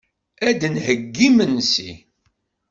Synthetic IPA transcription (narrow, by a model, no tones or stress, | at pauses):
æd̪nhəɡːimənsḭ